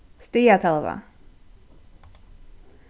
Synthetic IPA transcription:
st̪ijat̪ʰɛlva̰

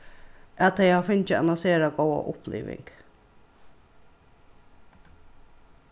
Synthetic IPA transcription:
ʔɛt̪̚ːɛjhɑːfʏnçəɑ̰nɔnseːɾɑɡoːə̰ʔʊpʰlḛːʋɪ̰ŋɡ̥

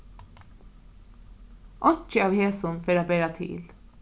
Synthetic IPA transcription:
ʔɔt͡ʃəɑːʋheːsʊnfeːɾɑbeːɾɑt̪ʰɪ̰l

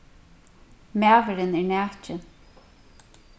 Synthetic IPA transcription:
mæːvɪɾɪnɛɹnæːt͡ʃɪn

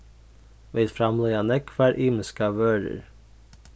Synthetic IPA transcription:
ʋeːd̪fɾɑmleːɑnɛkʰʋæːɾʔiːməskɑʋøːɾə̰ɾ

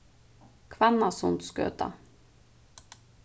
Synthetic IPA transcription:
kʰvanasʊnt̪skø̰ːt̪a̰

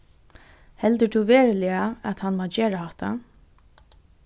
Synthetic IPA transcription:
hɛld̪əd̪uʋeːɹəlɪaat̪hanmaːd͡ʒeːɹahɔht̪a̰

